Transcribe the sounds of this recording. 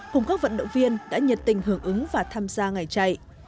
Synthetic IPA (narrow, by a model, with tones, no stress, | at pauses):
kʊ˨˩ŋ͡mkaː˦˥k̚və̰˧˨nɗə̰˧˨wŋ͡mvi˧ənɗa̰ː˧˥ɲə˨˩t̚t̪ï˨˩ŋ̟ɦɨ˧˩əŋʔɨ˨˦ŋvaː˨˩t̪ʰaː˧mzaː˧ŋa˨˩jt͡ɕa˧˩j